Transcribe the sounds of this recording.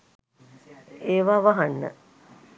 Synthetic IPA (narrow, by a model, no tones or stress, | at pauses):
eːʋaːʋaɦanːə̰